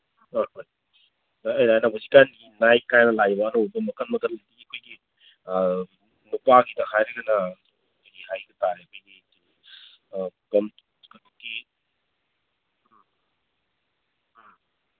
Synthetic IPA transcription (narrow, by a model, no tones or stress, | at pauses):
ooj | ɐjnajnabosikanɡinajkajnɐlabɐːnowbɐmɐkɐnmɐkɐtlɐɡdiɐkʰojɡi | nupaɡidɐhajɾɐɡɐnɐ | kʰojɡiɦajɡɐtaɾeɐkʰojdi | i | kɐm | kɐtokkːi